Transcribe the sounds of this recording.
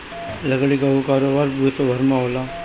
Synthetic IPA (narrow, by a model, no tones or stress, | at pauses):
ləɡɭiɡaʋukaːɾobaːɾput̪obʱəɾmãɦoːla